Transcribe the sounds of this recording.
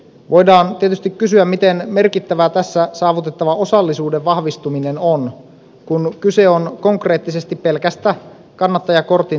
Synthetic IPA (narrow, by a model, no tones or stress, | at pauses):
ʋʔo̞jdɑːnt̪iet̪yst̪ikkysyæmmit̪e̞nme̞rkit̪ːæʋæt̪æsːæsɑːʋut̪e̞t̪ːɑʋɑo̞sɑlːisuːdeʋʋɑhʋist̪umine̞no̞n | kunkyse̞o̞nko̞ŋkre̞ːt̪ːise̞st̪ippe̞lkæst̪æ | kɑnːɑt̪ːɑjɑko̞rt̪i